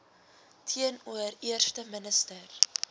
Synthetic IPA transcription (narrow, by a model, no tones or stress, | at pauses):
tʰiənuəriərstəmənəstər